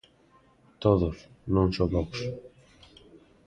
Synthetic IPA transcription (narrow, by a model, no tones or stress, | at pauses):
t̪oðos | nõŋsoβɔks